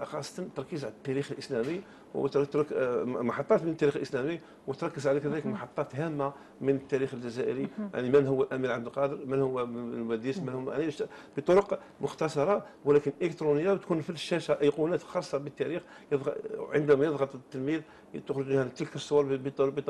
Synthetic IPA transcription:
xɑsˤːɑ̥t̪ənt̪ɑɾˤɑkizʕalæt̪ːæɾixəlʔəslæmi | w̰t̪t̪kmɑħɑt̪ˤːɑt̪mənət̪ːæɾixəlʔəslæmi | wət̪ɾˤɑkːəzʕalikæd̪æləkmɑħɑt̪ˤːɑt̪ɦæmːa | mənət̪ːæɾixəlʒæzæʔəɾija̰ʕnimənhʊwːælʔæmiɾʕabd̪əlqɑd̪əɾmənhʊwːælwæd̪ismənhaʕniʃb̥ət̪ˤoɾoq | mʊxt̪ɑsˤɑɾˤɑwəlækənʔələkt̪ɾunəjːabt̪kunfilʃːæʃæʔəjqunæt̪xɑsˤːɑbət̪ːæɾix | jəðʕə̰nd̪æmæjəðˤɣɑt̪ˤt̪ːəlmið | t̪əxɾəʒmihænt̪əlkəsˤːowɑɾbt̪b̪

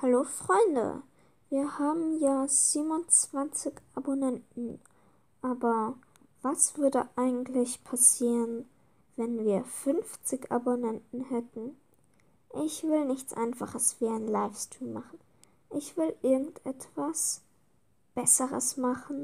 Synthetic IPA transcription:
haloːfʁ̥ɔʏndə̰ | viːɐhaːbm̩jaːz̥iːbmʊnt͡sv̥ant͡sɪçʔabonɛntn̩ | ʔaːbɐ | vasv̥ʏɐdəʔaɪɡŋ̩tʰlɪçpʰasiːʁən | vɛnviːɐfʏnft͡sɪça̰bonɛntn̩hɛtn̩ | ʔɪçv̥ɪlnɪçt͡sʔa̰ɪnfaχəsv̥iːaɪnlaɪfstiːmmaχn̩ | ʔɪçv̥ɪlʔɪɐɡŋ̩tʔɛtv̥as | b̥ɛsəʁə̰smaχn̩

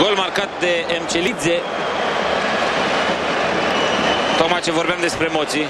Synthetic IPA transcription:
ɡo̞lmarkat̪̚d̪e̞ːmt͡ʃelit̪ze | t̪okmajt͡ʃe̞vorbeamd̪e̞spɾemot̪sij

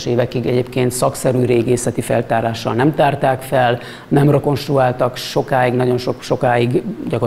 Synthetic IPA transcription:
ʃeːvɛkiɡɛɟeːpkeːnt̪sɒksɛɾyːɾeːɡeːsɛt̪ifɛ̰lt̪aːɾaːʃːɒ̰lnɛmt̪aːrt̪aːkfɛl | nɛmroko̞nʃt̪ruaːlt̪ɒkʃo̞kaːiɡnɒɟo̞nʃokʃo̞kaːiɡɟɒko

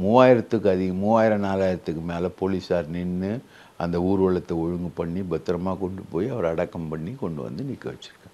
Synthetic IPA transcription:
muːʋaːjɪɾɐt̪ːɯkːɯɐðɪɣɐmuːʋaːjɪɾɐ̃naːlaːjɪɾɐt̪ːɯkːɯmeːlɐpoːliːsaːɾnɪnːɯ | ɐnd̪ɐuːɾɯʋɐɭɐt̪ːɐɔɻʊŋɡɯpɐɳːibɐt̪ːɾɐmaːkɔɳɖɯpoːjiɐʋɐɾɐɽɐkːɐmpɐɳːikɔɳɖɯʋɐ̰nd̪ɯnɪkːɐʋɐt͡ʃːɪɾɯkːẽː

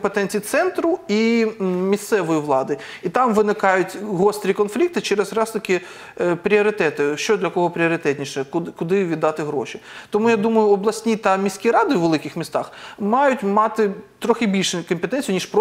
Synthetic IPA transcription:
mpet̪ɛnʲt͡sʲijit̪sɛnt̪ɾʊimʲist̪sɛʋɔjiʋlˠɑd̪ɪ | it̪ɑmʋɪnɪkɑjʊtʲɦɔst̪ɾʲikɔnflʲik̚t̪ɪt͡ʃɛɾɛzrɑst̪ɐkɪ | pɾʲiɔɾɪt̪ɛt̪ɪʃt͡ʃɔd̪lʲɐkɔɦɔpɾʲɪɔɾɪt̪ɛtʲnʲiʃɛkʊkʊd̪ɪʋʲid̪ːɑt̪ɪɦɾɔʃit̪ɔmujad̪umɐjʊɔblˠɐsʲnʲit̪ɐmʲisʲkʲiɾɑd̪ʊʋelˠɪkɪxmʲist̪ɑxmɑjʊtʲmɑt̪ɪt̪ɾɔxɪbʲilʲʃkɔmpet̪ɛnʲt͡sʲjʊnʲiʃp

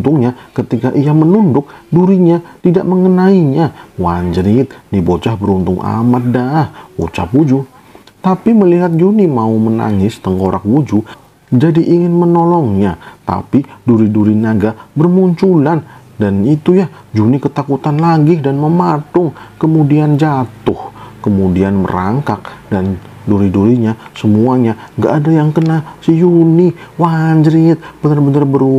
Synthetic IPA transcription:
t̪ʊŋɲakət̪ikaʔijamənundʊk̚duɾiɲat̪idaʔməŋənaiɲawaɲd͡ʒɾɪt̪̚dibot͡ʃahbəɾunt̪ʊŋa̰mat̪̚dahwṵt͡ʃa̰pud͡ʒu | t̪apiməliɦat̪̚d͡ʒunimauməna̰ŋɪst̪əŋkoɾʔa̰kwud͡ʒu | d͡ʒadiʔiŋɪnmənolɔŋɲat̪a̰piduɾiduɾinaɡabərmuɲt͡ʃulandanit̪uja | d͡ʒunikət̪akut̪anlaɡɪdanməmatʊŋkəmudiand͡ʒat̪ʊhkəmudianmə̰ɾa̰ŋkak̚dan | duɾiduɾiɲasəmuaɲa | ŋɡa̰ʔːdajaŋkənasəjuniwaɲd͡ʒɾɪt̪̚b̥ənərbənərbər

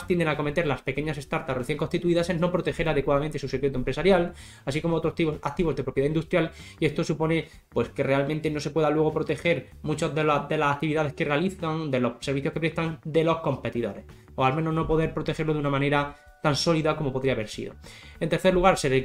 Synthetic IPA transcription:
st̪jend̪e̞ŋako̞me̞t̪e̞ɾlaspe̞ke̞ɲase̞st̪aɾt̪apreθje̞ŋko̞nst̪it̪uiðaseno̞pɾo̞t̪e̞xe̞ɾaðe̞kwaðamẽnt̪esuse̞kɾe̞t̪̬oempɾe̞saɾjal | asiko̞moot̪ɾot̪iβak̚t̪iβo̞zðepɾo̞pjeðaind̪ust̪ɾjalie̞st̪o̞supo̞ne̞ | pwe̞ske̞re̞almẽnt̪e̞no̞se̞pwe̞ðalwe̞ɣ̞o̞pɾo̞t̪e̞xe̞ɾ | mut͡ʃazðed̪e̞lasak̚t̪iβiðaðe̞skerealiθand̪e̞lo̞hseɾβiθjoke̞pɾest̪and̪e̞lo̞hko̞mpe̞t̪iðo̞̰ɾe̞s | oalmẽ̞no̞zno̞po̞ðe̞ɾpɾo̞t̪e̞xe̞ɾlo̞ðunamãne̞ɾa | t̪anso̞liðako̞mo̞po̞ðɾiaβe̞ɾsḭðo̞̰e̞nt̪e̞ɾθeluɣ̞aɾseðe

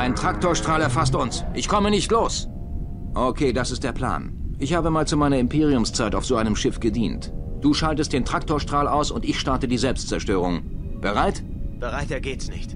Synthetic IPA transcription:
ʔaɪntʁ̥ak̚toːɐʃtʁ̥aːlɛɐfastʔʊnsʔɪçkʰɔmənɪçtloːs | ʔokʰeːdasɪst̚d̥eːɐpʰl̥a̰ːn | ʔɪçhaːbəmaːlt͡sumaɪnɐɪmpʰeːʁ̞iʊmst͡saɪtaʊfz̥oːʔaɪnəmʃɪfɡ̥ədiːntd̥uːʃaltəstd̥eːntʁ̥ak̚toːɐʃtʁ̥aːlaʊsʊntɪçʃtaɐtədiːzɛlpstt͡sɛɐʃtøːʁ̞ʊŋb̥əʁaɪt | b̥əʁaɪtɛːɐɡeːtsnɪçt

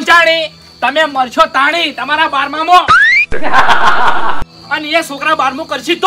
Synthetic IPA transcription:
t͡ʃaɽ̃i | t̪əmeməɾt͡ʃʰot̪aɽ̃it̪əmaɾabaɾmamõ | ənẽsõkɾabaɾmũkəɾt͡ʃʰid̪

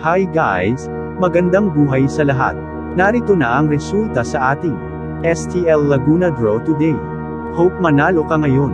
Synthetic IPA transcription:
hajɡa̰js | mɐɡɐnd̪aŋbuːɦɐjsɐlɐɦa̰t̪̚ | nɐɾit̪onaʔɐŋɾɛsult̪ɐsɐʔaːt̪ɪŋ | ʔɛst̪iʔɛlːɐɡuːnɐd̪ɹot̪ʊd̪ɛj | howp̚mɐnalokɐŋɐjo̞n

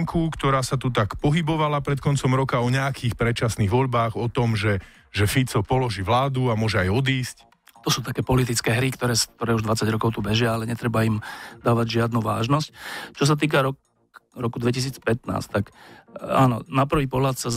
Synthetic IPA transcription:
ŋkʰukt̪ɔɾaːsat̪ut̪akpɔɦibɔʋalapɾɛt̪kɔnt͡sɔmɾɔkaɔɲɛakʰiːxpɾɛt͡ʃasniɣʋɔʎbaːɣɔt̪ɔmʒɛ | ʒɛfit͡sɔpɔlɔʒiːʋlaːd̪uamʊɔʒɛajɔd̪iːsc | t̪ɔsuːt̪akɛːpɔlit̪̬it͡skɛːɦɾikt̪ɔɾɛːst̪ɔɾɛuʒd̪ʋat͡saɟɾɔkɔʊt̪ubɛʒɪaalɛɲɛt̪ɾɛbaimd̪aːʋaɟʒɪad̪nuʋa̰ːʒnɔsct͡ʃɔs̬at̪̬iːk̬aɾɔk | ɾɔkud̪ʋɛcis̬iːt͡spɛt̪na̰ːst̪aka̰ːnɔ̰napr̩ʋiːpɔɦlat̪sa

